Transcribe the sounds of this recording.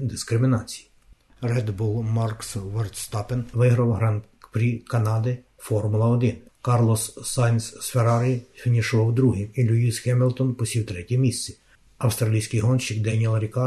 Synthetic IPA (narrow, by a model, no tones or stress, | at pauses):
d̪ɪskɾɪmʲɪnɑt͡sʲi̥ji | rɛd̪bulˠmɑrksʋɔrt̪st̪ɑpɪnʋɪɦɾɐwɦɾɑnt̪ | pɾʲikɐnɑd̪ɪ | fɔrmʊlˠɐɔd̪ɪn | kɑrlˠɔsːɑnʲsːfeɾɑɾʲifʲinʲiʃɔɔwd̪ɾuɦimilʲuisxɛmʲɪlˠt̪ɔnpɔsʲiwt̪ɾɛtʲɛmʲisʲt͡sʲi | ɐwst̪ɾɐlʲijsʲkɪjɦɔnʃɪkd̪ɛnʲiɛlˠɾʲikɑ